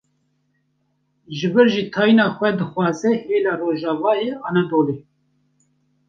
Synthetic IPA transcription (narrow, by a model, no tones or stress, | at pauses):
ʒɨbɨɾʒiːt̪ʰɑːjinɑːxʷɛd̪ɨxʷɑːzɛheːlɑːroːʒɑːvɑːeʔɑːnɛd̪oːleː